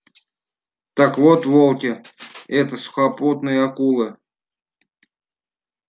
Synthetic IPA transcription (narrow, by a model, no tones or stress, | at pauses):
t̪akvot̪volˠkʲɪɛt̪əsʊ̥xaput̪nɨjəɐkulˠɨ